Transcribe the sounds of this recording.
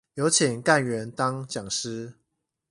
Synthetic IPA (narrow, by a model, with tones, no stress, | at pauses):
jo˧˦ʊt͡ɕʰi˨˩ŋka˥˨nɥɛ˨˦nt̪ɑ˦ŋt͡ɕjɑ˨˩ŋʂ̩˦